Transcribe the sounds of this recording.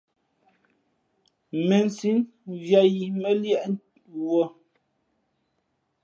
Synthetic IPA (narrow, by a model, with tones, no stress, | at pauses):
me˨n˨si˦n | ɣja˨ji˨me˦ljɛ˦˨ʔ | wɔ˨